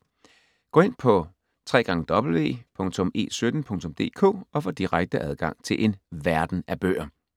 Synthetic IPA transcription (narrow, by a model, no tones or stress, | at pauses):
ɡ̥ɔ̰ːe̝n̰pʰɒ̽ | t͡sʰʁɛ̰ːɡ̥ɑ̈ŋəd̥ɒ̽b̥l̩ʋe̝̰ːpʰɔ̽ŋt͡sʰɔ̽me̝̰ːsød̥n̩pʰɔ̽ŋt͡sʰɔ̽md̥e̝̰ːkʰo̝̰̽ːɒ̽fɒ̰̽ːd̥iʁaɡ̥̚d̥əʔæðˠɡ̥ɑ̈ŋ̰t͡sʰe̝lʔe̝nʋæɐd̥n̩æb̥ø̰ːɐ